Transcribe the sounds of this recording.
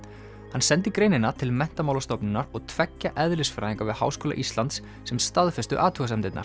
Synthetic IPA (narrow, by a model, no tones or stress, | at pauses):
hansɛnt̪ɪkɾeːjnɪnat̪ʰɪlmɛn̥t̪amawlast̪ɔpnʏnːaɾɔɣt̪ʰvɛcːaʔɛðlɪsfɾa̰jðiŋkavɪðha̰ːwskoːla̰ʔist̪lant̪sːɛmst̪aðfɛst̪ʏʔaːt̪ʰuɣasɛmt̪ɪt̪na̰ɾ̥